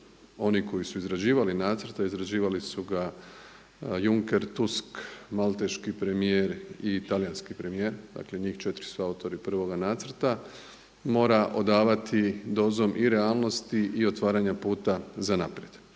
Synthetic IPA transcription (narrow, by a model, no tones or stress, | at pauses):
o̞niko̞jisuizɾad͡ʑiːʋalinaːt̪sər̩ɾt̪aizɾad͡ʑiːʋalisuɡa | juŋke̞ɾt̪uskmalˠt̪e̞ʃkipɾe̞mijeɾit̪alijanskipɾe̞mije̞ːɾd̪a̰ːkle̞ɲiːxt͡ʃet̪ɾi̥suaut̪o̞ɾipr̩ʋo̞ɡanaːt̪sɾt̪a | mo̞ːɾaʔo̞d̪aːʋat̪ʰid̪o̞ːzo̞mʔiɾealˠno̞st̪iio̞t̪ʋaːɾaɲapuːt̪azanapɾje̞d̪̥